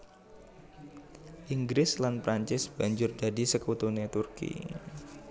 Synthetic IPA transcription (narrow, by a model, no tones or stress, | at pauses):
ʔiŋɡɾɪslanpɾaɲt͡ʃɪsb̥aɲd͡ʒʊrd͡ʒadisəkut̪unet̪urkḭ